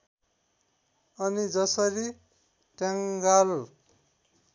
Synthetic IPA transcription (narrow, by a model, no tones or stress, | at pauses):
ʌnid͡zʌsʌɾi | ʈjaŋɡal